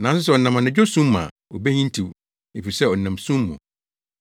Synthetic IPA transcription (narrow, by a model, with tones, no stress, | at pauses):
nã˨n˦sʊ˦s̬ɛ˦˨ɔ˨nã˨mã˨nɪ̃˨d͡ʑᶣo˦sũ˦mːã̰˨ | o˨bæ˦hĩ˦n˦tʰi˨w | e˨fi˨sɛ˦ɔ˨nã˨msũ˦mːʊ̰̃˨